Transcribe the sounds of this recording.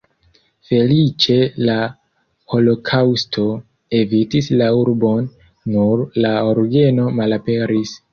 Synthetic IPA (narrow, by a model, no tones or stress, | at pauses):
fe̞lit͡ʃe̞la | ho̞lo̞kʰawstʰo̞ | e̞vitislauɾbo̞nː | uɾlaoɾɡe̞no̞malape̞ɾis